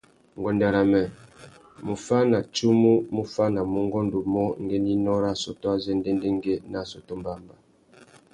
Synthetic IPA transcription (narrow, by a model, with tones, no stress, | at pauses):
ŋ˨ɡɔ˨nda˨ɾa˨mɛ˨ | mu˨fa˦na˨t͡ʃu˦mu˦mu˦fa˦na˨mu˦ŋ˦ɡɔ˦ndu˨mɔ˦ŋ˦ɡe˦ni˦nɔ˦ɾa˦sɔ˨to˦a˦zɛ˦nde˦nde˦ŋ˦ɡe˦na˦sɔ˨to˦mba˦˨mba˨